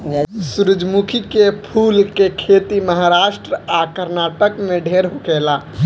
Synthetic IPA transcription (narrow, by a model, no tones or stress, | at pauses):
suɾəd͡ʒmukʰikepʰuːlkekʰet̪iməɦaɾaːʃʈɾəakəɾnaːʈəkmẽɖʱeːɾɦokeːla